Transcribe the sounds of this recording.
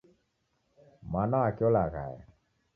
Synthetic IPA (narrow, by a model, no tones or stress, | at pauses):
manaakɔlaɣa̰ɛ̰